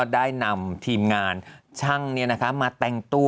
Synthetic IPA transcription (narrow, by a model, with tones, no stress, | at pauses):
daː˥˩jna˧mt̪ʰiː˧mŋaː˧nt͡ɕʰa˥˩ŋni˥˩ɐna˦˥kʰa˦˥maː˧t̪ɛ˧ŋt̪u˥˩